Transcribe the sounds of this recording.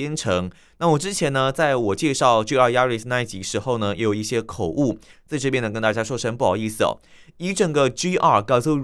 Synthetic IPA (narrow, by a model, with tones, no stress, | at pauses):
ɛ˥nʈ͡ʂʰɤ˧˥ŋ | na˥˨wɔ˨˩ʈ͡ʂɻ̩˥t͡ɕʰjɛ˧˥nə˧t͡sa˥˩ɪwɔ˨˩t͡ɕjɛ˥˧ʂɑ˥˩ʊʈ͡ʂi˥a˥˧ja˥ɻi˧˩sna˥˧ɪ˩t͡ɕi˧˥ʂɻ̩˧˥xo˥˧ʊnə˩jɛ˧˥jo˨˩i˥˩ɕjɛ˥kʰo˨˩ʊʔu˥˩t͡sa˥˧ɪʈ͡ʂɤ˥˧pjɛ˥˩nə˨˩kə˧˥nt̪a˥˧t͡ɕja˥ʂwɔ˥ʂə˥npu˥˩ɑ̰˨˩i˥˩sɹ̩˨˩ɔ̰˨˩ | i˧˥ʈ͡ʂə˨˩ŋɡə˨ʈ͡ʂi˥ʔa˥˩kɑ˥˧˩su˥˩